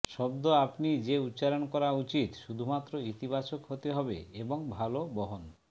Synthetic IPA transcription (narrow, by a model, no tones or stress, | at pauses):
ʃɔbd̪oapnid͡ʑeut̪ːt͡ʃalonkɔɾaut͡ɕit̪ʃud̪ʱumat̪ːɾoit̪ibat͡ɕokɦot̪eɦɔbḛeboŋbʱalobɔɦon